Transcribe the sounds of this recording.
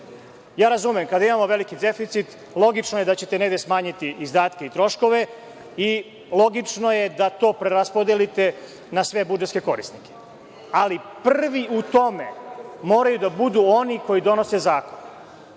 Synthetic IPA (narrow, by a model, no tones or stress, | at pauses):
jaːɾazumemkad̪aimamo̞ʋe̞likid̪e̞fit̪sit̪ | lˠo̞ɡit͡ʂnojed̪at͡ɕe̞t̪ene̞ɡd̪esmaːɲit̪iːzd̪aːt̪ke̞it̪ɾo̞ʃko̞ʋe̞ | i | lˠo̞ɡit͡ʂno̞je̞d̪at̪o̞ːpɾeɾaspod̪elit̪e̞ | nasʋe̞bud͡ʒet̪skeko̞ɾḭst̪nike̥ | alipr̩ʋiut̪o̞me̞mo̞ːɾajud̪abud̪uo̞niko̞jid̪o̞nose̞zaːkon